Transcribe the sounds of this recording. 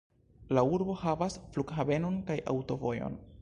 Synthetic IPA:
lauɾbo̞havasflukɦabe̞no̞nkajʔa̰wto̞vo̞jo̰n

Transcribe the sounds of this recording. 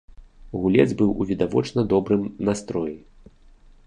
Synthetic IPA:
ɣulʲɛ̰d̪zʲbɨwṵvʲid̪avɔ̰t͡ʂnɐd̪ɔbɾɨmnast̪ɾɔji

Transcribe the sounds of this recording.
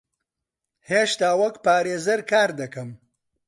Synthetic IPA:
heːʃt̪aːwɐkpaːɾeːzɐɾkaːɾd̪ɐkɐm

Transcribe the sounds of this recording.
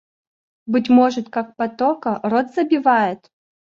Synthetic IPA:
bɨtʲmɔʐɨt̪kak̚pɐt̪ɔkɐrɔd̪zɐbʲivajɪt̪

